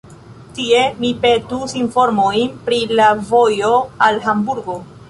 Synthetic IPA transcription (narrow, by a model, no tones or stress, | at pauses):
tie̞mipe̞tusinfo̞ɾmojnpɾilavo̞jo̞alɦambuɾɡo̞